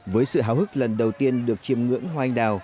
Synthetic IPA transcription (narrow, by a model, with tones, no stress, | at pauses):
vəː˨˦jsɨ̰˧˨ɦaː˨˦wɦɨ˦˥k̚lə˨˩nɗə˨˩wt̪i˧ənɗɨ˨˩ək̚t͡ɕi˧˩əmŋɨ̰˧˥əŋhwa˧jŋ̟ɗaː˨˩w